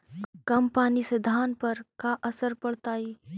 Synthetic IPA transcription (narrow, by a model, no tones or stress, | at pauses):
kɐmpaːnised̪ʱaːnpɐɾkaʔəsəɾpəɽt̪aːiː